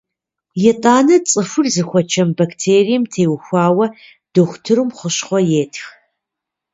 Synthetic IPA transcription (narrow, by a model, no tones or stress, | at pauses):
jɛtʼaːnɐt͡sʼɨfʊrzɨxʷɔt͡ʃʰɐmbɐktʰeːrijmtʰeːwxʷaːwɐ | d̥ɨxʷtʰɨɾɨmχəɕχʷɔjeːtʰx